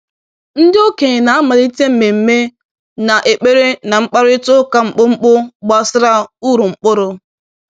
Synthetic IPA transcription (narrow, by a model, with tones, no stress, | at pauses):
n̩˦dɪ˦o˦ke˨na˨a˦ma˨ɾi˦te˦m̩˨me˨m̩˦me˦ | na˨ʔe˨k͡pe˦ɾe˦na˨ŋ͡m̩˦k͡pa˦ɾʊ˦ɪ˦tʊ˦ka˦ŋ͡m̩˨k͡pʊ˦ŋ͡m̩˦k͡pʊ˦ɡ͡ba˦˨sɪ˦ɾa˦u˦ɾu˨ŋ͡m̩˨k͡pʊ˦ɾʊ˦